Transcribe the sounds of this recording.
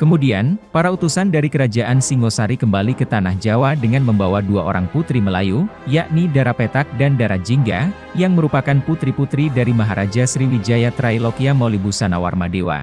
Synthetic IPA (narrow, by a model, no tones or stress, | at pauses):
kəmudianpaɾaut̪usandaɾikəɾad͡ʒaʔansiŋɡosaɾikəmbalikət̪anahd͡ʒawadəŋanməmbawaduao̰ɾaŋput̪ɾiməlajujaʔnidaɾapet̪ak̚dandaɾad͡ʒiŋɡa̰ | jaŋməɾupakanput̪ɾiput̪ɾidaɾimaɦaɾʔad͡ʒasɾiwid͡ʒajat̪ɾailokiamolibusanawa̰rmadewa̰